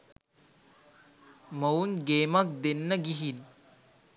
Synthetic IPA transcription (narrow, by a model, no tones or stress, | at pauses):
mɐwnɡeːmɐk̚d̪enːɐɡiɦin